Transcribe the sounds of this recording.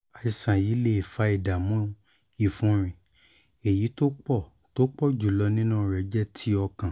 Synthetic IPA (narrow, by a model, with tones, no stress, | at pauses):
a˨i˨sã˨ji˨˦le˦˨i˨fa˧˦i˨da˨mũ˦ | i˦˨fũ˦ɾ̃ĩ˧ | e˨ji˨˦to˦k͡pɔ˦˨ | to˦k͡pɔ˦˨d͡ʒu˨lɔ˧nĩ˦nũ˦˨ɾɛ˧˦d͡ʒɛ˦˨tʰi˨˦ɔ˧kã˨